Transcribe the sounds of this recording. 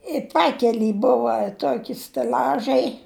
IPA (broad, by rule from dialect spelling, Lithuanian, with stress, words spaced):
ɪ ˈpɑːkʲɛlʲiː ˈbʊʋɐ ˈtoːkʲɪ sʲtʲɛˈlʲɑːʒɐɪ